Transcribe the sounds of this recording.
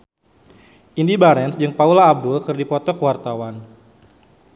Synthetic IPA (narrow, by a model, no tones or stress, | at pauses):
ʔindibaɾɛnsd͡ʒɨŋpaulaːb̚dulkɨrdipɔt̪ɔkwart̪awan